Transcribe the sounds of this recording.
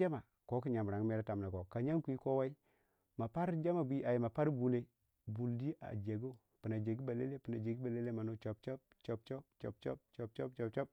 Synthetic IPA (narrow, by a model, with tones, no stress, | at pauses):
a˦ma˨ | ko˦ki˦ɲa˨m˨ɾa˨ŋ˦me˦ɾa˦ta˨m˨na˨ko˨ka˨ɲa˦ŋku˨˦i˦ko˦wa˦i˦ | ma˨pa˦ɾd͡ʒa˦ma˨bu˦i˦ʔa˨ji˨ma˨pa˦ɾbu˨ne˨ | bu˨ldi˦ʔa̰˨d͡ʒe˨ɡo˦ | pi˨na˨d͡ʒe˨ɡi˦ba˨le˦le˦pi˨na˨d͡ʒe˨ɡi˦ba˨le˦le˦ma˨no˦t͡ʃo˨pt͡ʃo˦p̚ | t͡ʃo˨pt͡ʃo˦pt͡ʃo˨p̚t͡ʃo˦p̚t͡ʃo˨pt͡ʃo˦p̚t͡ʃo˦˨p̚t͡ʃo˦p̚